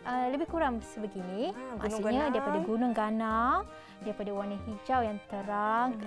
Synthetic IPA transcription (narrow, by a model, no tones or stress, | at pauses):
ʔələbɪhkuɾaŋsəbəɡinia̰suɲadaɾipadaɡunʊŋɡanaŋ | daɾipadawanəhid͡ʒawjaŋt̪əɾaŋ